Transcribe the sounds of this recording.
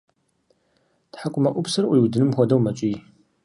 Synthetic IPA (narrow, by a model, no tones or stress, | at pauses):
tħakʷʼʊmɐʔʷʊpsɨrʔʷiwdɨnɨmxʷɔdɐwmɐt͡ʃʼiː